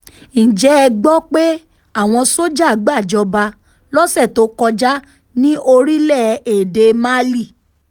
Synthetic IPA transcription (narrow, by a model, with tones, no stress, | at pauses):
n̩˨d͡ʒɛ˨˦˧ɡ͡bɔ˦k͡pe˦ | a˦˨w̃ɔ̃˧so˦d͡ʒa˦˨˦ɡ͡ba˦˨d͡ʒɔ˧ba˧ | lɔ˦sɛ˦˨to˨˦kɔ˧d͡ʒa˦ | nĩ˦ʔo˧ɾi˦lɛ˦˨e˨de˧ma˦li˦˨